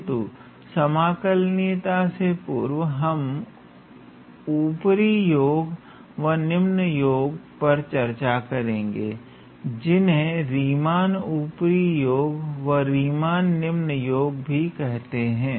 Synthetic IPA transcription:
t̪u | sɐmaːkəlneːt̪asepuːɾʋɦɐm | uːpɾijoːɡ | ʋɐnɪmnəjoːɡpɐɾt͡ʃɐɾt͡ʃakɐɾẽːŋ̆ɡeː | d͡ʒɪnɦẽɾiːmaːnuːpɾijoːɡʋəɾiːmaːnːɪmnəjoːɡbʱikɛɦt̪eɦɛ̃ː

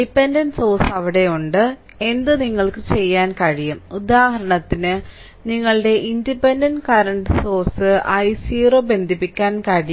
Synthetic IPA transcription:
ɖipːendɐnɖso̞ːrsɐʋiɽe̞juɳɖɨ | e̞nd̪ɨniŋːɐɭkɨt͡ɕe̞jːaːnkɐɻijumud̪aːhɐɾɐɳɐt̪ːinɨ | niŋːɐɭɨɖe̞ʔindipːe̞ndɐnɖkɐɾɐɳɖɨso̞ːrsɨʔɐjsiːro̞ːbe̞nd̪ʱipːikʲːaːnkɐɻij

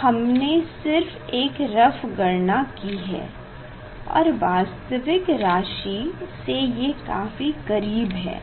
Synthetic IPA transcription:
hɐmnesɪɾfeːkɾɐfɡɐɾnakiɦɛ̰ː | ɔ̰ːɾʋaːst̪əʋɪkɾaːʃisejekaːfikɐɾiːbɦɛ̰ː

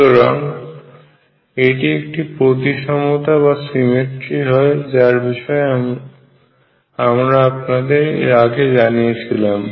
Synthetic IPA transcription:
oɾaŋ | eʈiek̚ʈipɾot̪iʃɔmot̪aβasimeʈɾiɦɔed͡ʑaɾbiʃɔe | amɾaapnad̪eɾḛɾaɡed͡ʑanijet͡ɕʰilam

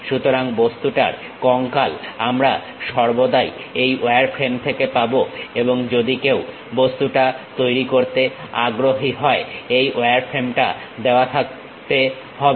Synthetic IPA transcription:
ʃut̪oɾaŋbost̪uʈa̰ɾ | kɔŋkalamɾa | ʃɔɾbod̪ajejʔoeaɾfʰɾemt̪ʰekepaboeboŋd͡ʑod̪ikew | bost̪uʈat̪ojɾikoɾt̪ea̰ɡɾoɦiɦɔeejʔoeaɾfʰɾemʈa̰ | d̪eoat̪ʰak̚ | t̪e | hɔbe

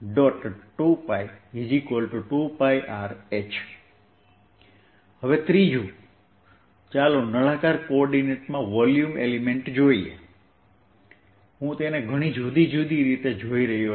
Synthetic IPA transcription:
ɖɔʈʈupajid͡ʒikolʈʈupajʔaɾet͡ʃʰ | həʋet̪ɾid͡ʒu | t͡ʃalonəɭãkaɾkoɔɾɖineʈmãʋɔljumḛlimeɳʈd͡ʒoiḛ | ɦũt̪eneɡʱəɽ̃id͡ʒud̪id͡ʒud̪iɾit̪ed͡ʒoiɾəɦio

